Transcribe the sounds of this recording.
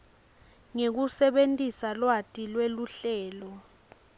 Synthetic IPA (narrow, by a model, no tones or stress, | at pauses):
ŋek̬usɛɓentʼisalwatʼilweluɬɛːlɔ